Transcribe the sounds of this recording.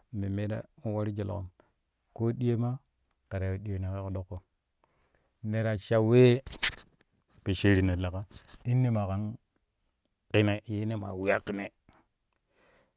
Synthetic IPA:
me˨me˦da̰˦u˦wa˦ɾi˦d͡ʒe˨l̰o̰˨m | ko˦ɗi˦je˦ma˦ | ka˨ɾa˨ɗi˦e˨ne˨ke˦ko˨ɗo˦kːo˨ | ne˨ɾa˨t͡ʃa˨we˦ | pe˨ʃe˦ɾi˨ne˨la˨ka˦i˦nːe˦ma˨ka˨˦n | ki˦ne˨je˦ne˦ma̰˨wi˦a˦ki˨ne˨

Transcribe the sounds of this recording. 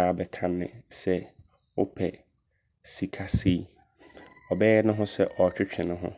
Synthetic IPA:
a˨a˨bɛ˨kʰã˨nːɪ̰̃˨sɛ˦ | wʊ˦pʰɛ˨ | si˨kʰa˦si˦ | ɔ˨bɛ˦jɛ˦nʊ̃˦ɦʊ̃˦sɛ˦ʔɔ˨t͡ɕᶣɪ˦t͡ɕᶣʰɪ̃˨nʊ̃˦ɦʊ̰̃˦

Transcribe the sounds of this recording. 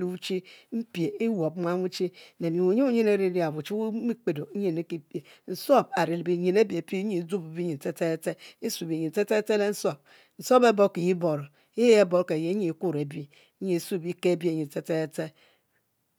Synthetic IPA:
i˨u˦t͡ʃi˦m̩˦pi˨e˨i˦wo˨bmʷa˦mu˦t͡ʃi˦ne˨ni˨u˨˦ɲe˦u˦ɲe˦ne˦ɾi˦ɾi˦a˨βu˨t͡ʃi˦mi˦k͡pe˨do˨˦ɲe˨ne˦ki˨pe˨n̩˨so˦˨ba˨ɾi˨lbi˨ɲe˨ne˦be˨˦pe˦ɲe˨˦d͡zu˦bu˨bi˦ɲi˨te˦te˦te˦i˦su˨bi˨ɲi˨n̩˨te˦te˦te˦le˦n̩˦so˦˨b̚ | n̩˨so˦be˦bo˦ki˨ji˦bo˨ɾo˨ | e˦e˦bo˦ke˨je˨˦ɲe˨˦ku˦ɾe˨bi˦ | ɲe˨˦su˦˨bi˦ke˦bi˦e˨ɲi˨te˦te˦te˦

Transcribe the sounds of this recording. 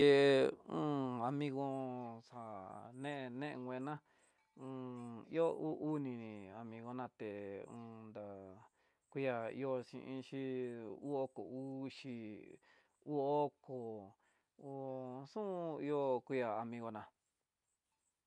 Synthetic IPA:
e˧ũ˦a˧mĩ˧ɣo˧sa˨nẽ˦ʔe˧nẽ˦ʔḛ˧ŋɡʷẽ˧nã˦ | ũ˧i˦o˦u˦ʔu˦nĩ˧nĩ˨a˧mĩ˧ɣo˧nã˧t̪e˨ũː˧nd̪a˨ | kʷi˦ja˧ḭ˧o˧ʃḭ̃˧ʔĩ˧ʃi˦u˦o˦ko˨u˦ʃi˧ | u˦o˦ko˨ | u˧˦sũ˦i˧o˧kʷi˦˧ja˧˨a˧mĩ˧ɣo˧nã˧

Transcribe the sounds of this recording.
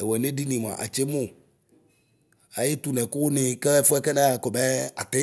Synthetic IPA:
e˨wɛ˨nẽ˦ɖi˦nĩ˨m˨ã̰˨ʔa̰˨t͡ʃe˦mõ˦ | a˨je˦t̪u˨nɛ̃˨ko˦nẽ˨kɛ˦ɛ˦fo˦ɛ˦kɛ˦nã˦a˨kɔ˨mɛ˦a̰˨t̪ɛ˦

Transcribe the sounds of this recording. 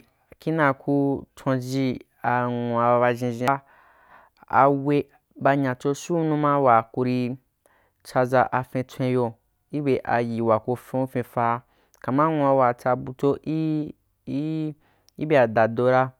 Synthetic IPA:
ki˦nã˧˨ku˧tʰõ˧d͡ʒi˧ | a˨ŋu˨a˧a˧ba˧ʒĩ˧ʒĩ˧a˧ | a̰˧we˧ | ba˧ɲã˨t͡ʃo˧su˦nũ˦mã˦wa˨ku˧ɾi˧ | t͡ʃa˧za˧ʔa˧fẽ˧tʷẽ˧jo˧ | i˦be˧ʔa̰˨ji˨wa˨ko˧fẽ˧u˦fẽ˧fa˧ | ka˨mã˦ŋũ˧a˧wa˨t͡sa˧bu˧to˧ʔi˦ | i˦be˧a˨da˨do˧ɾa˧

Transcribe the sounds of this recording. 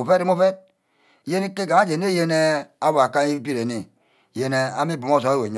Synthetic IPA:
o˨fe˦ɾi˦mo˦fe˦t̚ | je˦ni˦ke˦ɡa˨a˦d͡ʒe˨ne˦je˦ne˦a˦wa˨ka˦i˦bi˦ɾe˨ne˨ | je˦ne˦a˦mi˦bu˨m˦o˦˨so˨˦e˦we˨ɲ˦

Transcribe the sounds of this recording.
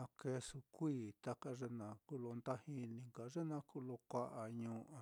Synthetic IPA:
ã˧ke˧su˧kʷiː˦˧˨t̪a˧ka˧ʐe˧nã˧ku˦lo˧nd̪a˦hi˧nĩ˧ŋka˨ʐe˦nã˧ku˦˧lo˧kʷa˧ʔa˨ɲũː˧ʔa˨˧

